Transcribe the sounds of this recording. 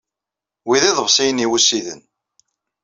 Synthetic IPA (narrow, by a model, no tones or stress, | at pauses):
wiðiðˤəvsˤijəniwusːiðə̰n